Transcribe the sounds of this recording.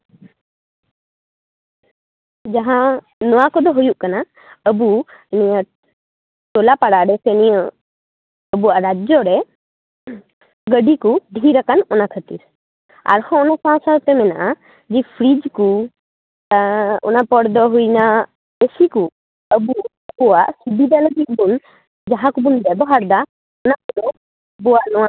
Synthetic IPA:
d͡ʒaɦã | nɔwakɔd̪ɔɦujuʔkana | əbunijã | ʈɔlapaɽaʔɖɛsɛnijɔ | əbuaʔɾad͡ʒɔɾɛ | ɡəɖikuɖʱiɾakanɔnakʰət̪iɾ | a̰ɾhɔ̃nɔsãsaɾt̪ɛmɛnaʔa | d͡ʒipʰɾid͡ʒku | ɔ̰napɔɽd̪ɔɦujna | besiku | əbu | buwaʔsibid̪alɔɡik̚bun | d͡ʒaɦãkubunbɛbɔɦaɾd̪a | ɔnakɔlɔ | buwaʔnɔwaʔ

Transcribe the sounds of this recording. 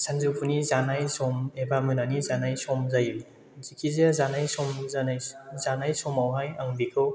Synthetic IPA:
sanzupʰunizanajsɔmebamɯnanizanajsɔmzajim | zikʰizezanajsɔmzanajzanajsɔmawɦajaŋbikʰɯw

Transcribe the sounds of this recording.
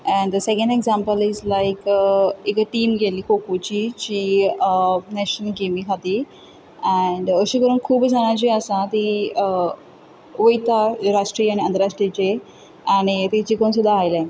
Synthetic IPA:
ɛ̃ɳd̪əsekə̃ɳɖeɡzãmpəlizlajkekəʈiːmɡʱeliːkʰokut͡ɕit͡ɕiː | næɕnəlɡemikʰat̪i | ɛɳɖəɕikəɾuːnkʰuːbd͡zʱaɽ̃at͡ɕiəsãt̪i | ʋəjt̪aɾaʂʈɾianiənd̪əɾaʂʈɾit͡ɕe | añit̪it͡ɕiːkonsud̪ʱːaːjle

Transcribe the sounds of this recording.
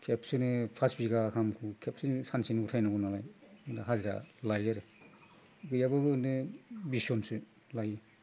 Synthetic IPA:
kʰepsɯnɯpʰasbiɡakʰamkʰɯkʰepsɯnsansinutʰajnaɡɯnalajɯndaɦaziɾa̰lajaɾe | ɡɯjabɯbɯɯndɯbisiɔnsɯ | lajɯ

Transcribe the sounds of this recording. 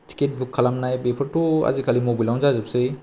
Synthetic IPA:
ti̥ket̚bʱukʰːalamnajbepʰəɾʈua̰zikʰalimobilaw̃zazɯpsɯj

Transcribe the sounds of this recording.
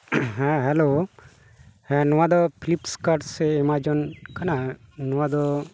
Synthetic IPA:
ɦɛ̃ɦɛlo | hɛ̃nɔãd̪ɔpʰilipskaɖsɛimad͡ʒɔnkananɔwad̪ɔ

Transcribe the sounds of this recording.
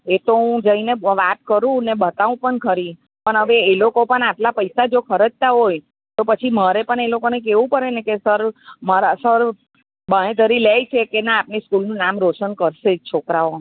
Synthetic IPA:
et̪oũd͡ʒəineʋat̪̚kəɾũnebət̪aũpəɳkʰəɾi | pəɳɦəʋeːlokopəɳaʈlapəjsad͡ʒokʰəɾəd͡ʒt̪aɦoj | t̪opət͡ʃʰiməɾepəɳelokonek̬eʋũpəɾenekesəɾmaɾasəɾ | bəɽ̃ẽd̪ʱəɾilejt͡ʃʰekenaːpniskulnũnamɾoʃənkəɾʃet͡ʃʰokɾao

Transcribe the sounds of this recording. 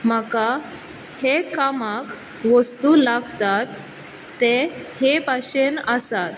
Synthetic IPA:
m̤əka | hekamak | ʋəst̪ulaɡt̪at̪ː | ehepaɕenəsat̪

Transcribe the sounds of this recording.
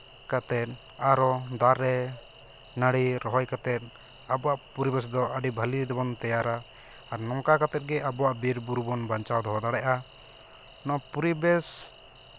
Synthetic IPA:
kat̪ɛt̪̚ | aɾɔd̪aɾːɛ | naɽiɾɔɦɔjkat̪ɛt̪̚ˀ | abɔwaʔpuɾibɛs̬d̪ɔaɖibʱalid̪ɛbɔnt̪ɛjaɾaː | ɾnɔŋkakat̪ɛt̪̚ɡɛʔabɔwaʔbiɾbuɾubɔnbaɲt͡ʃawd̪ɔɦɔd̪aɽɛʔa | nɔpuɾibɛs

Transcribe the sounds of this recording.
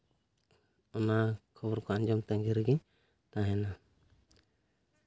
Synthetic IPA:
ɔnakʰɔbɔɾkɔaɲd͡ʒɔmt̪ɛŋɡiɾɡiɲ | t̪ãɦɛna

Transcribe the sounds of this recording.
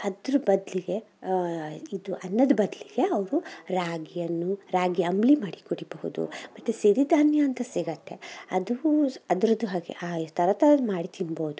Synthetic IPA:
ɐd̪ɾubɐd̪liɡe̞ | id̪uʔɐnːɐd̪ɐbɐd̪liɡe̞ɐʋɾuɾaːɡijɐnːuɾaːɡijɐɐmblimaːɽikuɽibɐɦṵd̪ṵmɐt̪ːesiɾid̪ʱaːnjɐːnt̪ɐsiɡɐt̪ːe̞ɐd̪uɐd̪ɾɐd̪uɦaːɡḛʔaːt̪ɐɾɐt̪ɐmaːɽit̪ʰinboːud̪u

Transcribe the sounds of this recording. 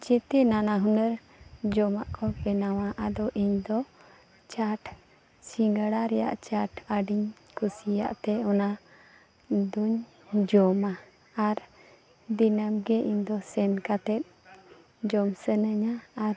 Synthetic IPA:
d͡ʒɛt̪ɛnanaɦunəɾ | d͡ʒɔmaʔkʰɔpɛnawaʔad̪ɔʔiɲd̪ɔ | t͡ʃaʈ | siŋɡəɽaɾɛja̰ʔt͡ʃaʈəɖiɲ | kusija̰ʔt̪ɛɔna | d̪uɲ | d͡ʒɔma | aɾ | d̪inəmɡɛʔiɲd̪ɔsɛnkat̪ɛt̪̚ | d͡ʒɔmsənəɲaːɾ

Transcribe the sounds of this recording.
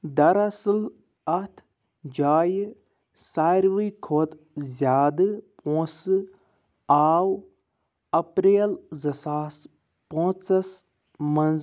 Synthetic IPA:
d̪ɐɾɐsɨl | ɐt̪ʰ | d͡ʒaːj | saːɾʋɨjkʰoːt̪ | zʲjaːd̪ɨpõːsɨ | aːw | ɐpɾeːlzɐsaːs | põt͡sɐs | mɐnz

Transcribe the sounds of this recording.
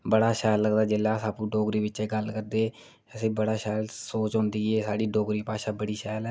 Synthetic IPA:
bəɽaːʃɛːlːəɡd̪aːd͡ʒɪlːaːsaːpũːɖoːɡɾiːʋɪt͡ʃeːɡəlkəɾd̪eː | əsẽːbəɽaːʃɛːlsoːt͡ʃɔ̃ːnd̪iːeːsaːɽiːɖoːɡɾiːpaːʃaːbəɽiːʃɛːlɛː

